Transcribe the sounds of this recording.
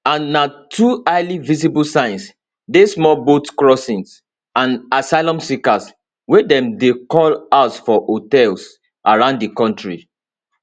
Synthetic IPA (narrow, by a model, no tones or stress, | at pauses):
ãnːatʰuaɪlivisibulsãɪ̃ns | desmɔbotkɹɔsĩns | ãnasaɪlɔ̃msikas | wɛdɛ̃mdekɔlaʊtfɔʔotɛls | ʔaɹãʊ̃ndikɔ̃ntɹi